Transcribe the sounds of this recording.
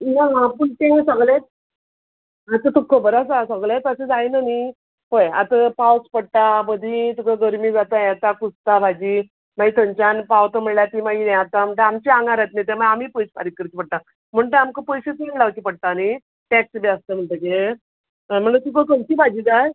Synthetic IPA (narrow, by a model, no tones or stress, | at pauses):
naɦãpuɳt̪eŋsəɡlet̪̚ | at̪ət̪ukʰːəbəɾasasəɡlet̪əsed͡zajnani | ɦojat̪əpawspəɽʈ̪abəd̪ʱit̪ukaɡəɾmiːd͡zat̪əjɛt̪akust̪abʱad͡ʑiː | mait̪õɲt͡ɕanpawt̪əm̤əɳljat̪imaieat̪am̤əɳʈ̪əamt͡ɕiaŋɡaɾat̪nit̪̬emaamipəjspa̰ɾikːəɾt͡ɕipəɽ̚t̪a | m̤əɳʈ̪əamkəpəjɕet̪iɡlaʋkipəɽ̚t̪ani | ʈɛksbeast̪əm̤əɳt̪əke | m̤əɳət̪ukəkəmt͡ɕibʱad͡ʑiːd͡zaj